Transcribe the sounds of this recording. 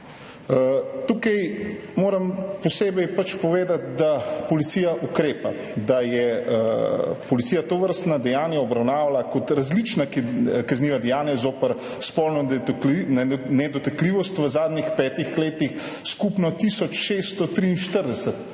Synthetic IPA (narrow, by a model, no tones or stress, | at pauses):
t̪ukɐjmoːɾɐmpɔseːbɛjpat͡ʃpɔʋeːd̪at̪̚d̪apɔlit̪siːjaʔukɾeːpa | d̪ajɛ | pɔlit̪sijat̪oʋəɾst̪nad̪ɛjaːnjaɔbɾawnaːʋalakɔt̪ɾazlit͡ʃnakkazniːʋad̪ɛjaːnjazoːpəɾ | spɔlnɔnnɛd̪ɔt̪akliʋɔst̪ʋəzaːd̪nixpɛːt̪ixleːt̪ix | skupnɔt̪isɔt͡ʃʃest̪ɔt̪ɾiːnʃt̪əɾd̪ɛsət̪